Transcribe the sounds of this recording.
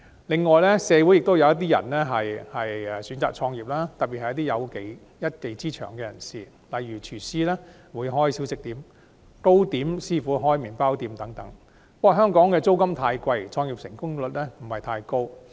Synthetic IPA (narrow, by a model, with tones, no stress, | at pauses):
lɪ˨ŋːɔː˨jlɛː˥sɛː˨˧wu˨˥jɪ˨k̚t̪o˥wjɐ˨˧wjɐ˥t̪̬iː˥jɐ̰˨˩nlɛː˥ɦɐ˨jhɐ˨jɛ˨syː˨˥nt͡sa̰ː˨k̚t͡ʃʰɔː˧ŋjiː˨p̚laː˥t̪ɐ˨t̚pi˨hɐ˨jɐ˥t̪̬i˥jɐ˨˧wke˨˧j | jɐ˥t̚ke˨˧jt͡siː˥t͡ʃʰœː˨˩ŋkɛː˧jɐ˨˩nsḭː˨ | lɐ˨jɥyː˨˩t͡ʃʰyː˨˩siː˥lɛː˥ | wuː˨˧jɦɔː˥jsiː˨˥wsɪ˨˥k̚t̪iː˨˥m | ko˥wt̪iː˨˥msiː˥fuː˨˥ɦɔː˥jmiː˨npaː˥wt̪iː˧mt̪ɐ˨˥ŋt̪ɐ˨˥ŋ | pɔː˧˥ɦœː˥ŋkɔː˨˥ŋkɛː˧t͡so˥wkɐ˥mt̪ʰaː˧jkʷɐ˧jt͡ʃʰɔː˧ŋjiː˨p̚sɪ̰˨˩ŋkʊ˥ŋlɵ˨t̚lɛː˥m̩˨˩hɐ˨jt̪ʰaː˧jko˥w